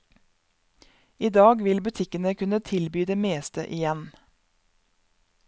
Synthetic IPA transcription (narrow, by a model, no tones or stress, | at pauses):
iːd̪ɑːɡʋɪlbʉt̪ʰɪkənəkʰʉnət̪ʰɪlbyːd̪eːmeːst̪ə̰ʔɪjɛn